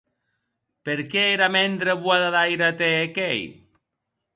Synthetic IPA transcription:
peɾkeeɾamend̪ɾeβwaðaðajɾat̪eːkej

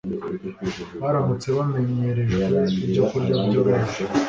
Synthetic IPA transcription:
βaɾamut͡se̞βame̞ɲe̞ɾe̞ʒɡeibɟokuɾɟaɟoɾeze

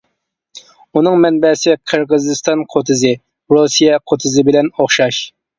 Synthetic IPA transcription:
unɨŋmɛnbɛsɪqʰəɾʁəzɨst̪ɑnqʰot̪ʰɨzɨ | ɾusijɛqʰot̪ʰɨzɪbɪlɛnoχʃɑʃ

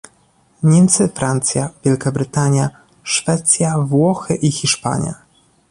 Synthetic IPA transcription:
ɲɛmt̪sɘfɾant̪sʲjavʲjɛlkabɾɘt̪aɲja | ʂfɛt̪sʲjavwɔxɘʔixʲiʂpa̰ɲja̰

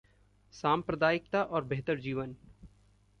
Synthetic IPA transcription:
saːmpɾəd̪aːɪk̚t̪aʔɔːɾbeɦt̪əɾd͡ʒiːʋən

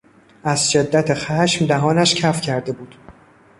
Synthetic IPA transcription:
ʔæzʃe̞d̪ːæt̪ʰexæʃmd̪æɦɒːnæʃcʰæfcʰæɾd̪e̞buːd̪̥

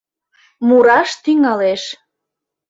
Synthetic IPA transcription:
muɾɑʃt̪yŋɑleʃ

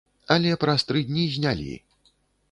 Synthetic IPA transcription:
ɐlʲɛpɾɐst̪ɾɨd̪ʲnʲizʲnʲalʲḭ

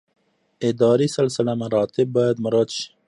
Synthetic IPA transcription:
ɪd̪ɑːɾisɐlsɪlamɐɾɑːt̪ɪbːɑjad̪mʊɾad̪ʃi̥

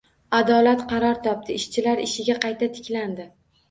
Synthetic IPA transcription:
ad̪ɒlat̪qʰɑɾɒɾt̪ʰɒp̚t̪ʰɪɪʃt͡ʃʰɪlaɾɪʃɪɡʲaqɑjt̪ʰat̪ʰɪ̥kʲland̪ɪ

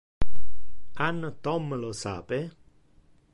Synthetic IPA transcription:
anːt̪ɔmːlosa̰ːpe

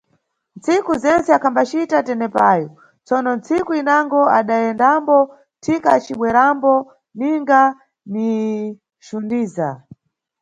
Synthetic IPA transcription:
nt͡sikuzɛnt͡sɛakʰambat͡ʃitatɛnɛpajɔ | t͡sɔnɔnt͡sikuinaŋɡɔaɗajɛndambɔ | tʰikat͡ʃiɓwɛɾambɔ | niŋɡa | ni | ʃundiːza

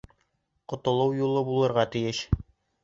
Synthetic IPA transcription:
qŏt̪ŏlˠɤwjulˠɤbulˠɤ̆ɾʁɑt̪ɘ̆jɘɕ

